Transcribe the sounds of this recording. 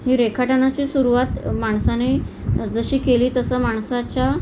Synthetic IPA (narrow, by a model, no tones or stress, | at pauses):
hiːɾekʰaʈnat͡ɕisuɾuʋat̪maɳsane | d͡zəɕiːkeliːt̪əsəːmaɳsat͡ɕja